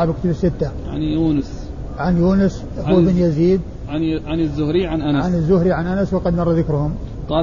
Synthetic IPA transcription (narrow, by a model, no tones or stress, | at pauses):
abkt̪abɪsːɪt̪ːa | ʕa̰njuːnəs | ʕanjuːnɪs | hʊbɪnjaziːd̪̚ | ʕanɪzːʊhɾiʕanʔanaʕanɪzːʊhɾiʕanʔanaswɑqɑd̪mɑrˤːɑðɪkɾʊhʊmqɑː